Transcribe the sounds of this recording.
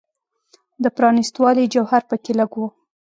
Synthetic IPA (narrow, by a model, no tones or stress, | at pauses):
d̪əpɾɑnist̪wɑlid͡ʒawhaɾpəkeləɡwo